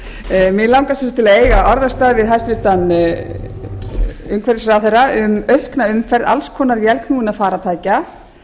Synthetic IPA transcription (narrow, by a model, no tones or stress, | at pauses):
mɪðlaw̃ŋkasɛst̪ʰɪlaðeːjɣaɔɾðast̪aːðvɪðɦajst̪vɪɾ̥t̪an | ʏmkʰvɛɾɪsɾaːðθejraʏmœɥhknaʏmfɛɾða̰lskʰɔːnaɾvjɛlkʰnuːɪnaðfaːɾat̪ʰaːjca